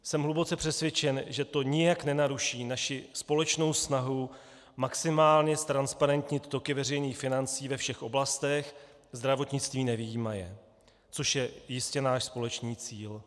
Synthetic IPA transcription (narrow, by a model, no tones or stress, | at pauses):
sɛmɦlubo̞t͡sɛpr̝̥ɛsvʲjɛt͡ʃɛnʒɛt̪o̞ɲɪjaknɛnaɾuʃiːnaʃɪspo̞lɛt͡ʃno̞wsnaɦu | maksɪmaːlɲɛst̪ɾanspaɾɛnt̪ɲɪt̪t̪o̞kɪvɛrɛjniːxfɪnant͡siːvɛfʃɛxʔo̞blast̪ɛx | zd̪ɾavo̞t̪ɲɪt͡st̪viːnɛvɪjiːmajɛ̰ | t͡so̞ʃjɛjɪscɛnaːʃspo̞lɛt͡ʃniːt͡siːl